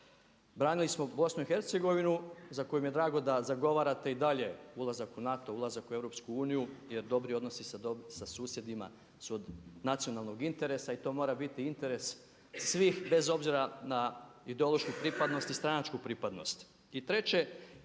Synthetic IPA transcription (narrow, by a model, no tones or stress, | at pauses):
bɾaːnilismo̞bo̞snuixe̞ɾt̪se̞ɡo̞ʋinuzako̞jumije̞d̪ɾaːɡo̞d̪azaɡo̞ʋaːɾat̪e̞id̪aʎe̞ulˠazakunat̪o̞ulˠazakuevɾo̞pskuuːnijuje̞ɾd̪o̞bɾio̞d̪nosisasasuːsje̞d̪ima̰ | suod̪nat̪sijo̞nalˠno̞ɡint̪e̞ɾe̞sait̪o̞mo̞ːɾabit̪iint̪e̞ɾe̞s | sʋiːxbe̞zo̞bziɾanaid̪eo̞lˠo̞ʃkupɾipad̪no̞st̪ist̪ɾanat͡ʃkupɾipad̪no̞̰st̪ | it̪ɾe̞t͡ʃe̞